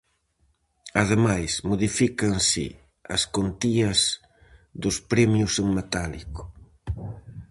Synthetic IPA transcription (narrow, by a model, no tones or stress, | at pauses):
ɐðemajsmoðifikɐŋsɪ̰ | ɐ̰skont̪iɐz | ðʊspɾɛmjʊseŋmet̪alikʊ̥